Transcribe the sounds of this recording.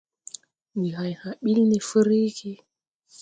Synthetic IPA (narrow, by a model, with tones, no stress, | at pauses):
wi˨ɦa˨jha˨ɓi˦lne˨fə˦ɾi˦ki˦